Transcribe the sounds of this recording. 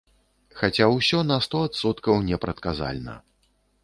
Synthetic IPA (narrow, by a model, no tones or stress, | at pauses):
xat͡sʲawsʲɔnɐst̪ɔat̪sɔt̪kɐwnʲɛpɾɐt̪kaza̰lʲnɐ̰